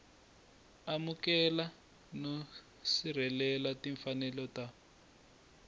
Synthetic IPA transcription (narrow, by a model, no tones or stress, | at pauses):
amukɛla | no | sir̤ɛlɛlatiɱfanɛlɔta